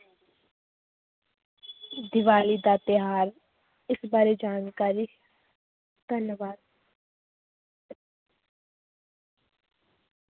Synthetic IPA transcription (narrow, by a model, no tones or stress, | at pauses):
d̪ɪʋaːlid̪aːt̪ɪɦaːɾ | ɪsbaːɾed͡ʒaːnkaːɾiː | d̪̥ənjəʋaːd̪̚